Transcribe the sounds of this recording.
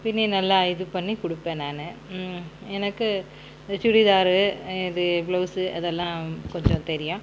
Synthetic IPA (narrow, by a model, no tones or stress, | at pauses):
pɪnːinɐlːɐɐjɪðɯpɐɳːikʊɽɯpːeːnaːnɯ | ɛnɐkːɯ | t͡ʃʊɽɪðaːɾɯɪðɯblɐːsɯʔɐðɛlːãːkɔɲd͡ʒɔ̃t̪ɛɾɪjʊ̃